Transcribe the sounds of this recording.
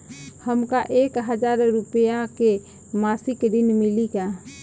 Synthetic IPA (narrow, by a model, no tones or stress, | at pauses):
həmkaʔekɦəd͡ʒaɾɾupəjake | masikd̪inmilika